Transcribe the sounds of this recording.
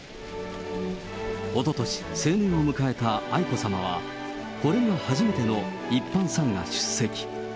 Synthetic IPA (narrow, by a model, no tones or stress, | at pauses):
o̞t̪o̞t̪o̞ɕi̥se̞ːnʲẽɰ̃o̞mɯ̟kae̞t̪aaiko̞samaβ̞a̰ | ko̞ɾe̞nohaʑime̞t̪e̞no̞ | ipːãɰ̃sãŋɡa̰ɕɨ̥sːe̞kʲi̥